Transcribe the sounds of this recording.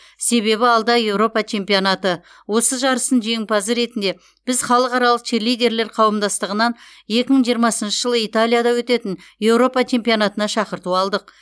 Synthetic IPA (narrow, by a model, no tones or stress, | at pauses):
se̞βe̞βɪɑlˠd̪ɑje̞wɾo̞pɑt͡ʃʰe̞mpijonat̪ə | wo̞səʒɑɾəsənʒe̞ŋpɑzəɾe̞t̪ɪnd̪e̞ | b̥ɪzχɑlˠəqɑɾɑlˠəqt̪ʰelijd̪ʲe̞ɾle̞ɾqʰɑwəmd̪ɑst̪əʁənɑn | je̞kʲɪməɴʒijəɾmɑsənʃəʒəlˠəijt̪alʲˠijad̪ɑwɵt̪e̞t̪ɪn | je̞wɾo̞pɑt͡ʃʰe̞mpijonat̪ənɑʃɑqəɾt̪uɑlˠd̪əq̚